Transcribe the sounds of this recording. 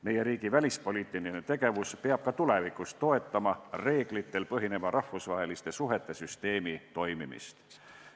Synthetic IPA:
me̞je̞ɾiːɡ̥ivælʲispo̞lʲiːt̪ːˑilinet̪e̞ɡ̥e̞vuspeɑb̥̚kɑt̪ule̞vikˑust̪ːo̞e̞t̪ːɑmɑre̞ːɡ̥lit̪ːe̞lpɤɦine̞mɑɾɑhːusvɑɦe̞list̪e̞suɦe̞t̪ːˑe̞syst̪e̞ːmit̪o̞jmimḭst̪

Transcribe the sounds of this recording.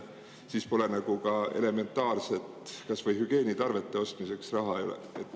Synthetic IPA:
siːspo̞le̞nɑɡ̥ukɑe̞̰le̞me̞nt̪ːˑɑːrse̞t̪kɑsvɤjɦyɡ̥e̞ːnit̪ɑrve̞t̪ˑːe̞o̞st̪mise̞ksrɑɦɑejolḛet̪ːˑ

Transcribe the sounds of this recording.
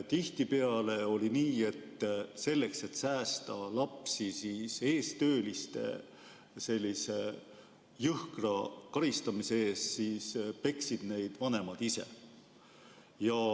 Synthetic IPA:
t̪iht̪ipe̞ɑle̞o̞liniːe̞t̪ːse̞lːe̞kse̞t̪ːsæːst̪ɑlɑpsisiːse̞ːst̪ø̞ːlist̪e̞̰ | se̞lʲːise̞ | jɯhkrɑkɑɾist̪ɑmiseeːssiːspe̞ksid̪̥ne̞jd̪̥vɑne̞mɑd̪̥ise̞̰ | jɑ

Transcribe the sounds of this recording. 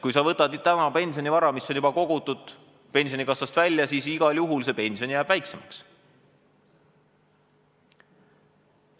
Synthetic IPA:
kujsɑvɤt̪ːˑɑd̪̥ut̪æmɑpe̞nʲsio̞nivɑɾɑmisːo̞njubɑko̞ɡ̥ut̪ːˑud̪̥ | pe̞nʲsio̞nikɑsɑst̪vælʲjɑsiːsiɡ̥ɑljuɦulse̞pe̞nʲsio̞njæːb̥væjkse̞mɑks

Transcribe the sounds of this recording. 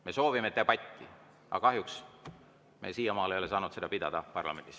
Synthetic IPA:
me̞so̞ːvimet̪ːebɑt̪ʲːi | ʔɑ̰kɑɦjuks | me̞̰siːjɑmɑːlejo̞le̞sɑːnut̪se̞d̪̥ɑpid̪̥ɑd̪̥ɑpɑrlɑ̰me̞nd̪is

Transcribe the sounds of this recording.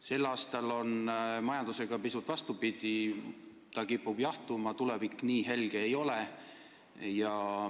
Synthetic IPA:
se̞lːɑːst̪ɑlo̞nmɑjɑnd̪̥use̞ɡ̥ɑpisut̪ːˑvɑst̪upid̪̥i | t̪ɑkipːub̥jɑht̪umɑt̪ule̞vikːniːɦe̞lɡ̥eːjo̞le | jɑ

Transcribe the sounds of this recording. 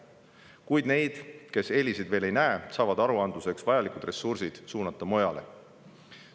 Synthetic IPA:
kujd̪̥ne̞jd̪̥ke̞se̞lʲisid̪ve̞ːle̞jnæesɑːvɑd̪̥ɑɾuɑnd̪luse̞ksvɑjɑlikud̪re̞sursid̪̥suːnɑt̪ˑːɑmo̞jɑle̞̰

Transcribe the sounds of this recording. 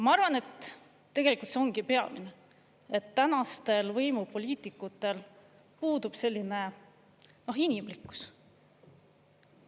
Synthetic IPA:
mɑɑrvɑnet̪ː | e̞ɡ̥e̞likult̪seoŋɡipe̞ɑmḭne | et̪ːænɑst̪e̞lvɤjmupo̞lʲiːt̪ˑikːut̪ːˑe̞l | puːd̪ub̥se̞lʲːine̞ | no̞ɦinimlikːˑu̥s

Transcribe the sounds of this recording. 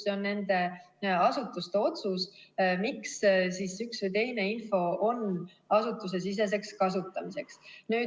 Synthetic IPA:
seo̞nːe̞nd̪e̞ɑsut̪ːˑust̪e̞o̞t̪susmikssiːsyksvɨjt̪e̞jne̞info̞o̞n | ɑsut̪ːˑus̬e̞sis̬e̞s̬e̞kskɑsut̪ːˑɑmise̞ksnyː

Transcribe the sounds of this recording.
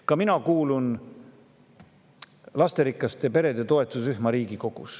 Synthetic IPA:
kɑminɑkuːlun | lɑst̪e̞ɾikːˑɑst̪epe̞ɾe̞d̪et̪o̞e̞t̪ːˑusyhmɑɾiːɡ̥iko̞ɡ̥ṵs

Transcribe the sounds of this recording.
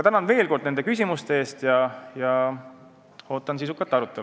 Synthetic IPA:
ɑt̪ænɑnve̞ːlko̞rd̪̥̚ne̞nd̪e̞kys̬ʲimust̪e̞e̞ːst̪jɑjɑ | o̞ːt̪ːˑɑnsisukːˑɑt̪ːˑɑɾut̪ːˑel

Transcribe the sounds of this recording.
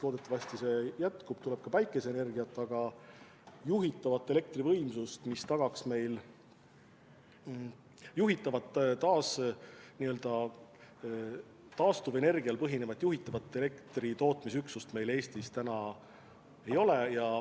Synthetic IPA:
lo̞ːd̪e̞t̪ːˑɑvɑst̪ise̞jæt̪kub̥̚t̪ule̞b̥kɑpæjkːˑe̞seene̞rɡiɑt̪ːˑɑɡ̥ɑ | juɦit̪ːˑɑvɑt̪ːˑe̞le̞k̚t̪rivɤ̞jmsust̪mist̪ɑɡ̥ɑksme̞jl | juɦit̪ːˑɑvɑt̪ːˑt̪ɑːsniø̞ld̪̥ɑ | t̪ɑːst̪uve̞ne̞rɡ̥iɑlpɤɦine̞vɑt̪juɦit̪ːˑɑvɑt̪ːˑe̞le̞kt̪rit̪o̞ːt̪ˑmis̬yksust̪me̞jle̞ːst̪ist̪ænɑ | e̞jo̞lejɑ

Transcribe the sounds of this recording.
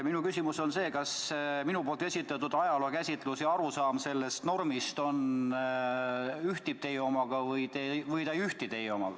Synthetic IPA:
minukysʲimuso̞nse̞ːkɑsminupo̞ːlt̪e̞sʲit̪ːˑɑt̪ːud̪̥ɑjɑlokæsʲit̪ˑlusjɑɑɾusɑːmse̞lːe̞st̪no̞rmist̪o̞n | yht̪ip̚t̪e̞jo̞mɑɡ̥ɑvɯjt̪evɯjt̪ɑjyht̪it̪e̞jeo̞mɑɡ̥ɑ

